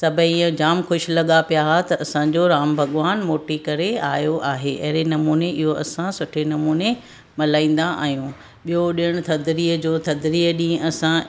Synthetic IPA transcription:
sɐbʱəĩd͡ʑaːmxʊʃɪ̆lɐɠapijaɦat̪ɐʔɐsãɲd͡ʑoɾaːmbʱɐɠʋaːnmoːʈikɐɾeaːjoʔaːɦeʔɐ̰ɦɪɾenɐmuːneʔɪɦoɐsãsʊʈʰenɐmuːne | mɐlaːĩːn̆d̪aa̰ːɦijũː | ɓijoɗiəɽ̃ʊt̪ʰɐd̪ɾiəd͡ʑoːt̪ʰɐd̪ɾiəɗĩːɐsã

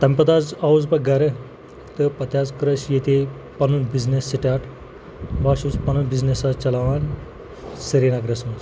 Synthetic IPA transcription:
t̪ɐmʲpɐd̪aːzɐuzpɐɡɐɾɐ | t̪ɨpɐt̪jazkɾɐʃjet̪e | pɐnunbiznesːiʈaʈ | baːʃuspɐnunbiznesat͡ʃɐlaʋan | sɐɾinaɡɾɐsn

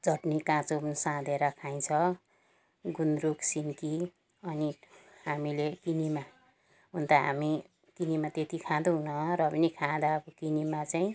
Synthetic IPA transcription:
d͡zʌʈnikãt͡sopnsãd̪eɾʌkʰaj̃t͡sʰʌ | ɡunɾuksinki | ʌnihamilekinima | ɦunt̪aɦa̰mi | kinimat̪et̪ikʰãd̪uɦunʌrʌpʌnikʰãd̪aːbʌkinimat͡saĩ

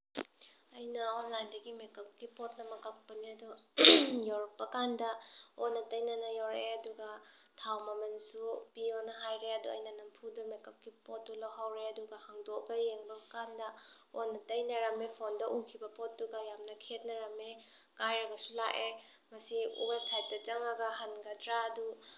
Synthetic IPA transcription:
ɐjnɐonlajndɐɡimekɐp̚ɡipot̚nɐmɐɡak̚pɐniɐdu | jawɾɐk̚pːɐkandɐonːɐtɐjnɐnɐjawɾeɐduɡɐtʰawmɐmɐnsupionɐɦajɾeɐduɐ̰jnɐnɐmpʰudɐmekɐp̚ɡipot̚ːulawɦawɾeɐduɡɐhaŋdokbɐjeŋbɐkandɐ | onɐtɐjnɐɾɐmepʰondɐʔukʰibɐpotːuɡajamnɐkʰet̚nɐɾɐme | kajɾɐɡɐsulaʔe | mɐsiṵbasʰajt̚dɐd͡ʒɐŋaɡɐɦanɡɐdɾaːdu

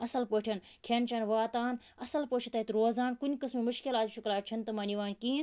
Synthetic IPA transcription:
ɐsɐlpoːʈʰɐn | kʰent͡ʃʰɐːnʋaːt̪aːn | ɐsɐlpoːt͡ʃʰit̪ɐit̪ɾoːzaːnkunʲikɐsmimʊʃkilaːt̪ʃʰuklaːt͡ʃʰɐnt̪ɐmaːniʋaːnʲkiːn

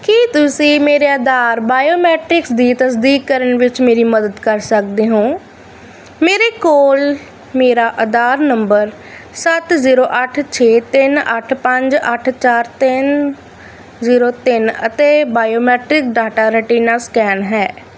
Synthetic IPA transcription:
kit̪ʊsĩːmeːɾeːəd̪aːɾbaːjoːmɛːʈɾɪksd̪iːt̪əsd̪iːkːəɾəɳʋɪt͡ʃmeːɾiːməd̪əd̪kəɾsəkd̪eːɦõː | meːɾeːkoːl | meːɾaːʔəd̪aːɾnəmbəɾ | sət̪ziːɾoːʔəʈʰt͡ʃʰeːt̪ɪnə̰ʈʰpəɲd͡ʒəʈʰt͡ʃaːɾt̪ɪn | ziːɾoːt̪ɪnət̪eːbaːjoːmɛːʈɾɪkɖaːʈaːɾəʈiːnaːskɛːnɦɛː

